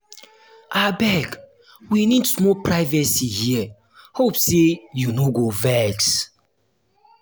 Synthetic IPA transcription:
abɛɡ | winidsmɔpɹaɪvɛsihiɛ | hopsejunoɡovɛks

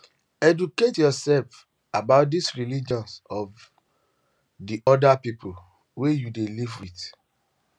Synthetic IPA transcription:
ɛduketjɔsɛlf | abaʊt̚disɹilid͡ʒɔ̃nsɔv | diʔɔdapipʰol | wejudelivwiθ

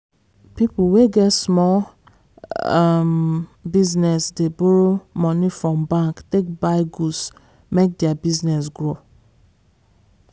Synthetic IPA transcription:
pipuweɡɛtsmɔl | mbiznɛsdeboɹomɔ̃nifɹɔ̃mbãŋktek̚baɪɡus | mek̚diabiznɛsɡɹo

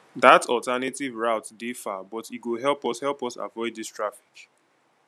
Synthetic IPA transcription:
ðatʰɔltanetivɹaʊtdefabɔtit̚ɡoɦɛlˠpɔshɛlˠpɔsa̰vɔɪdðistɹafi̥k

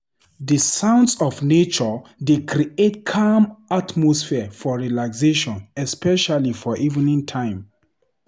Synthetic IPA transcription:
dəsãʊ̃ndsɔfnet͡ʃɔdekɾietkʰamʔatmɔsfiəfɔɹilakseʃɔ̃nɛspɛʃalifɔʔiṽnĩntʰãɪ̃m

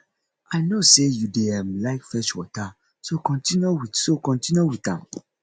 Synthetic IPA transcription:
aɪnosejudeɛ̃mlaɪkfɛʃwɔ̰ta | sokɔ̃ntĩnowisokɔ̃ntĩnjowitã̰m

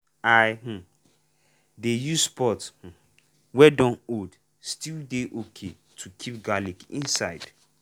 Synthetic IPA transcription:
ajh̩ | dejuspɔth̩ | wɛdɔ̃nod | stildeʔokʰe | tʰukʰip̚ɡalikḭ̃nsaɪd̥

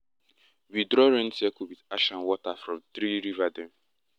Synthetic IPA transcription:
widɾɔɹɛ̃nsɛkuwidaʃãnwɔtafɹɔ̃mθɾiɾivadɛ̃m

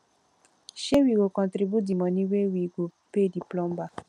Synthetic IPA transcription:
ʃewiɡokɔ̃ntɾibjudimɔ̃nĩwewiɡopediplɔmba

